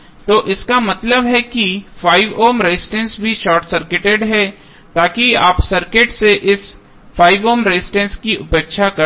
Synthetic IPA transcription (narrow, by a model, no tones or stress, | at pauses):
t̪oːʔɪskamɐt̪ləbɦɛkifʰaːɪʋoːmɾeːsɪʈẽnsbʱiʃɔːɾʈsɐɾkɪʈeɖɦɛ | t̪aːkiaːpsɐɾkeʈseʔɪs | fʰaːɪʋoːmɾezɪʈẽnskiʊpeːkʃakɐ